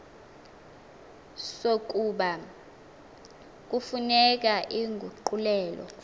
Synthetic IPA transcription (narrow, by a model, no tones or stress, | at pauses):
sok̬ʼuɓa | k̬ʼufunɛk̬ʼaʔiŋɡʱuǃulɛːlɔ̰